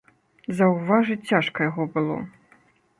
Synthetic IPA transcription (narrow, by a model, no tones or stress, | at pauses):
zɐwvaʐɨt͡sʲaʂkɐjaɣɔbɨlˠɔ̰